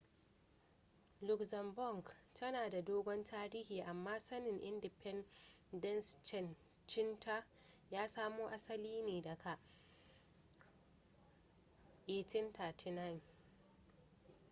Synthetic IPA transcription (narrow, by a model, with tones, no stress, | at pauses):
lʊ˦˨kzɐ˨mbɔ˦˨ŋɡtʰɐ˦naː˨da˨doː˦ɡʷɔ˦ntʰaː˦ɾiː˦hiː˨ʔa˨mːaː˦sɐ˦nɪ˨ŋʔɪ˦ndɪ˨pʰɛ˦n | dɐ˦nst͡ʃɛ˨n | t͡ʃɪ˦nta˦ | jaː˦saː˦moː˦ʔa˦sɐ˦liː˦neː˨da˨kʰa˨ʔ | ʔe˨tɪ˦nta˨tʰɪ˦na˦˨n